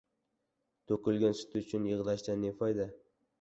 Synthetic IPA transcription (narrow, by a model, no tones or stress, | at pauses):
t̪ʰokʲɪlɡʲansɪ̥t̪ʰʊt͡ʃʰʊnjɨʁd̪aʃd̪anefajd̪a